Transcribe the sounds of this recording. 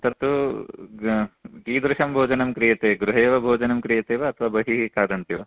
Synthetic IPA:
t̪ɐɾt̪u | ɡiːd̪ɾuʃɐmbʱoːd͡ʒɐnɐmkɾijɐt̪eːɡɾuɦeːʋɐbʱoːd͡ʒɐnɐmkɾijɐt̪eːʋɐɐt̪ʰɐʋaːbɐɦiɦikaːd̪ɐnt̪iʋɐ

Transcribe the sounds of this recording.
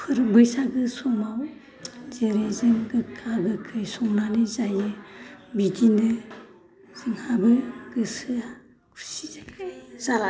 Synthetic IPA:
pʰɯɾbɯjsaɡɯsɔnaw | zeɾezɯŋɡɯkʰaɡɯkʰɯjsɔŋnanɯzajɯbitindɯ | z̥ɯŋhabɯɡɯsɯa | kʰu̥sizaazaa

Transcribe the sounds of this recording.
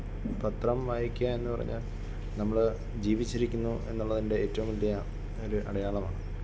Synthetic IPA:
pɐt̪rɐmʋaːjikʲːuae̞nːupɐrɐ̰ɲːa̰ːl | nɐmːɐɭ | d͡ʑiːʋit͡ɕːiɾikʲːunːuʔe̞̰nːuɭːɐðinde̞eːtːɐʋumʋɐlːijɐ | oɾuʔɐ̰ɽɐjaːɭɐma̰ːɳɨ

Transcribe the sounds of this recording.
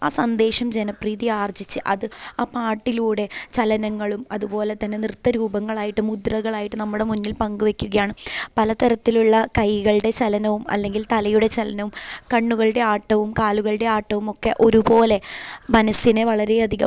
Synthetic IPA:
aːsɐnd̪e̞ːʂɐmd͡ʑenɐpriːðijaːrd͡ʑit͡ɕːɨʔɐ̰ðɨaːpaːʈːiluːɽe̞t͡ɕɐlɐnɐŋːɐɭumɐðubo̞ːle̞t̪ɐnːe̞nrɨt̪ːɐɾuːbɐŋːɐɭaːjiʈːɨmud̪rɐɣɐɭaːjiʈːɨnɐmːuɽe̞munːilpɐŋɡuʋe̞kʲːuɣɐjaːɳɨpɐlɐt̪ɐɾɐt̪ːiluɭːɐkɐjɣɐɭɨɽe̞t͡ɕɐlɐnɐʋumɐ̰lːe̞ŋɡilt̪ɐlɐjuɽe̞t͡ɕɐlɐnɐʋumkɐɳːuɣɐɭɨɽe̞aːʈːɐʋumkaːluɣɐɭɨɽe̞aːʈːɐʋumo̞kːe̞ʔo̞ɾubo̞ːle̞mɐnɐsineʋɐɭɐɾe̞ɐd̪ʱiɣɐ̰m

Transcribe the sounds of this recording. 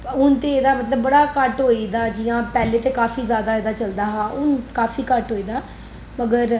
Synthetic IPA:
ʊnt̪eːeːd̪aːmət̪ləbːəɽaːkəʈɦoːiːd̪aːd͡ʒɪjãːpɛːleːt̪eːkaːfiːzjaːd̪aːeːd̪aːt͡ʃəld̪aːɦaːʔʊnkaːfiːkəʈɦoːiːd̪aː | məɡəɾ

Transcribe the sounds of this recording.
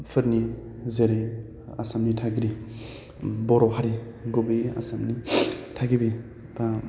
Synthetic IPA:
pʰɯɾni | zeɾi | asamnitʰaɡɾi | bɔɾɔɦaɾi | ɡubɯa̰samnitʰaɡibi | ba

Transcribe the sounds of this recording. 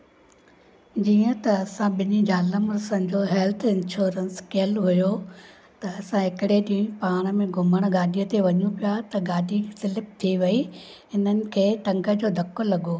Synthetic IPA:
d͡ʑiːə̃t̪ɐːsãɓɪnid͡ʑaːləmɾʊsə̃nd͡ʑoɦɛːlt̪ʰɪ̃nʃoːɾənskeːlɦʊjo | t̪ɐːsãɦɪkɪɽeɗiĩpaːɽ̃əmẽɡʱʊməɽ̃ɡaːɖʱijət̪eʋɐɲũpijat̪ɐɡaːɗʱisɪlɪp̚t̪ʰiʋɐiɪn̤ənɪ̆kʰeːʈɐ̃ŋɡʱə̆d͡ʑoːd̪ʱɐkːolɐɠoː

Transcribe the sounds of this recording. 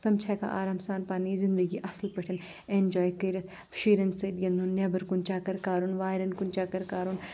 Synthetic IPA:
t̪ɐmt͡ʃʰɛːka̰ʔa̰ːɾaːmsaːnpaːniːzɪnd̪əɡiːʔɐslpɐʈʰɐn | eːnd͡ʒɔːjkɐːɾɐt̪ | pʃiːɾɐnseːd̪jɐnd̪unːebɐɾkunt͡ʃaːkɐɾkaːɾunʋaːjɾɐnkunt͡ʃaːkɐɾkaːɾun

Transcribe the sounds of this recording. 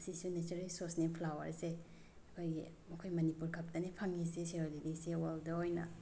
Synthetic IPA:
ɐsisunet͡ʃɐɾelsoɾsnipʰlawɐ̰ɾse | ɐkʰojɡḭ | mɐkʰojmɐnipuɾkʰɐp̚tɐnipʰaŋisesiɾolidisewaldɐojnɐ̰

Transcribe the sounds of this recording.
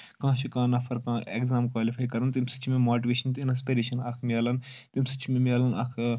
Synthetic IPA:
kãːt͡ʃʰikãːnɐfʰɐɾkãːeːkzaːmkwaːlifʰaːjkɐɾɐnt̪imsɐ̥t͡ʃʰmẽmoːʈiʋeːʃɐnt̪inɐspeːɾiːʃɐnaːkʰmʲjaːlɐnt̪imsɐt͡ʃʰmẽmʲaːlɐna̰ːkʰ

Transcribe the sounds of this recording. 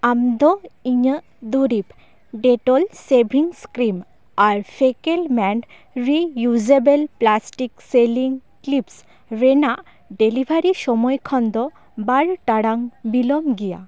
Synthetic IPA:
amd̪ɔiɲə | d̪uɾip | ɖeʈɔlsebʱɾiŋskɾim | aɾpʰekelmɛɳɖ | ɾijud͡ʒebelplasʈikseliŋklips | ɾenaʔ | ɖelibʱaɾiʃɔmɔjkʰɔnd̪ɔ | baɾʈaɽaŋbilɔmɡija̰

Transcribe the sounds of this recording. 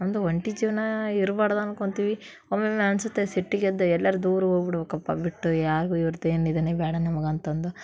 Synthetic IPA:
ɐnd̪uʋɐɳʈid͡ʒiːʋɐnɐiɾubaːɽɐd̪ɐnkoɳt̪iːʋi | oːmemeɐnsut̪ːesiʈːiɡed̪ːuɛlːɐɾud̪uːɾuɦoːɡbiɽɐʋɐkɐpːɐ̰biʈːujaːɾiɡuiʋɐɾid̪eːnid̪ɐnebɛːɽɐnɐmɐɡɐnt̪ɐnd̪u

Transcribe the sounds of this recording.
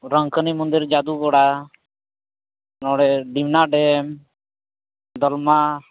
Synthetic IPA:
ɾəŋkʰənimɔnd̪iɾd͡ʒad̪uɡɔɽa | nɔɽɛɖimnaɖɛm | d̪ɔlma

